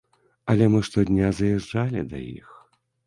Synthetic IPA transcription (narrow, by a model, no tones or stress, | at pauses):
ɐlʲɛmɨʂt̪ɔd̪ʲnʲazɐjɛʐd͡ʐalʲid̪ɐ̰jḭx